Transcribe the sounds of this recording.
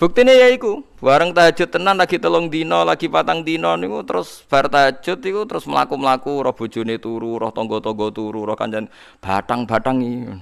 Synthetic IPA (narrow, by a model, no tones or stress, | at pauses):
b̥uk̚t̪inejaiku | baɾəŋt̪aɦad̥d͡ʒ̥ʊt̪̚ːənanlaɡ̥i̤t̪əlʊŋd̪inɔlaɡ̥ipat̪aŋd̪inɔnikut̪əɾʊsb̥a̤ɾt̪aɦḁd͡ʒ̥ʊt̪ikut̪əɾʊsməla̰kuməlakuɾɔhb̥ṳd̥ʒ̥ṳnet̪uɾuɾɔht̪ɔŋɡɔt̪ɔŋɡɔt̪uɾuɾɔhka̰nt͡ʃɛn | b̥at̪aŋb̥a̤t̪aŋi